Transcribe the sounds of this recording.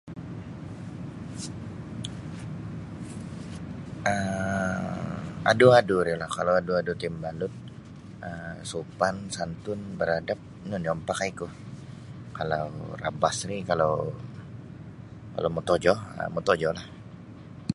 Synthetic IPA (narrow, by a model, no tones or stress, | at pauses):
ə | a̰duaduɾilahkalawaduadut̪ɪmbalʊt̪̚ | əsupansant̪ʊnbəɾadap̚nʊnɔmpakaikʊ | kalawra̰basrikala | ka̰lamut̪ɔd͡ʒɔə̰mut̪ɔd͡ʒɔlah